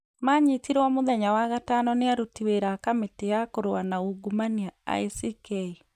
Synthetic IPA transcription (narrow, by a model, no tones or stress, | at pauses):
maɲit̪iɾɔmoðɛɲawaɣatanɔneaɾutiweɾakametejakoɾoanauɡumaniaa̰isikei